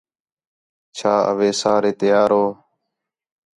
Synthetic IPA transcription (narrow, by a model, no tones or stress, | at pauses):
t͡ʃʰaːə̰ʋeːsaːɾeːt̪ɪjaːɾɦoː